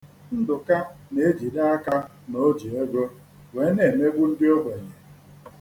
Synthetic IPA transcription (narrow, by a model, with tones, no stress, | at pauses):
n̩˦dʊ˨ka˦ne˨e˦d͡ʒi˨da˦a˦ka˦ | no˨˦d͡ʒi˨e˦ɡo˦ | we˨˦ne˨me˦ɡʷu˦n̩˦dɪ˦o˦be˨ɲe˨